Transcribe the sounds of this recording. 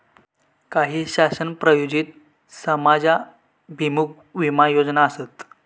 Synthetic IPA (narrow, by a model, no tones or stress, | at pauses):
kaɦiːɕasənpɾəjod͡ʑit̪̚ | səmad͡za | bʱimuk̚ | ʋimajod͡znaːset̪